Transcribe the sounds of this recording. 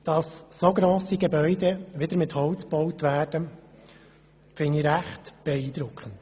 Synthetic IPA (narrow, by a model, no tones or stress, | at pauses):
d̥ɑsːoɡɾoːsiɡɛbœʏd̪ɛʋɪd̥̪əɾmɪthɔwt͡sb̥ɔwtʋæːrd̥ə | fɪniɾæχtb̥ɛiːd̪ɾʊkχənt